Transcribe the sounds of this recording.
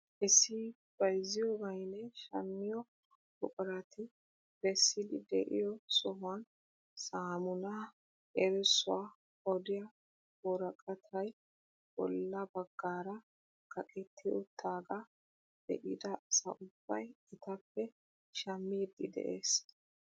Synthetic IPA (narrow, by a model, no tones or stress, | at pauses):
ʔɛsɪ | b̥ɐjzɪjɔːɡɐjnɛʃɐ̰mːɪjɔ | bɔkʼɔɾɐt̪ɪ | b̥ɛsːɪd̪ɪd̪ɛ̰ʔɪ̰jɔsɔɦʊɐn | saːmʊnɐ | ʔɛɾɛsʊwa | ɔd̪ɪjɐ | bɔɾɐkʼɐt̪ʰɐj | b̥ɔ̰lːɐbɐɡːaːɾɐ | kʰɐkʼɛt̪ʰːɪjʊt̪ʰaːɡɐ | d̪ɛ̰ʔɪd̪ɐʔsɐ̰ʔʊb̥ːɐjɪt̪ɐpːɛ | ʃɐmːiːd̪ɪd̪ɛ̰ʔeːs